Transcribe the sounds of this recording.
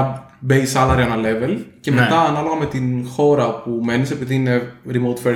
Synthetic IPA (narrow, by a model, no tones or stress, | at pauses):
beisɐlɐɾiɐnɐle̞velce̞met̪ɐːnɐlo̞ɣɐme̞t̪inxo̞ɾɐpume̞nise̞piðiine̞ɾimowt̪fe